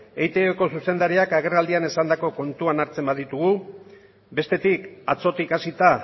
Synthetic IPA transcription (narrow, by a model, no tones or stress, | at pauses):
e̞jt̪eoko̞suse̞nd̪aɾiakaɣ̞e̞rald̪iane̞sand̪ako̞ko̞nt̪uanaɾt͡se̞mbaðit̪uɣ̞u | be̞st̪e̞t̪ikat͡so̞t̪ikasit̪a